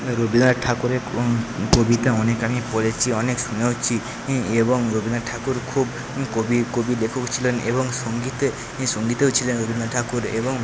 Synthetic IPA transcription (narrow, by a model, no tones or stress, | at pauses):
ɾobind̪aʈʰakuɾekobit̪aɔnekamipɔɾet͡ʃʰiɔneksunawt͡ʃʰi | ebɔŋɾobind̪aʈʰakuɾkʰub | kobikobilekʰɔkt͡ʃʰilenebɔŋsɔŋɡit̪e | sɔŋɡit̪eut͡ʃʰilenɾobind̪aʈʰakuɾebɔŋ